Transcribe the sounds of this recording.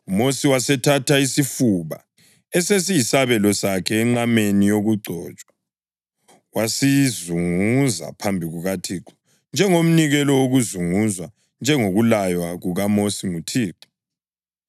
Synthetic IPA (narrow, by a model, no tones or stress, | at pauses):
umosiwasɛtʰatʰaisifuβa̰ | ɛsesijisaβɛlɔsakʰɛːŋ͡ǁamenijoɣuɡ͡ǀʱɔːt͡ʃʼwa | wasizuŋuza̰pʰambʱiɣuɣatʰiǃʰɔ̥ | nd͡ʒʱɛŋom̩niɣɛlɔwoɣuzuŋuzwa | nd͡ʒʱɛŋoɣulajwaɣuɣamosiŋutʰiːǃɔ̥